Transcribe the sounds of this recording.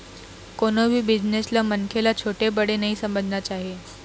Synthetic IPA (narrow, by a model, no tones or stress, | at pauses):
konəbʱiːbid͡ʑneslamənkʰelat͡ɕʰoʈebəɽenəɦiːsəməd͡zʱnjat͡ɕaɦe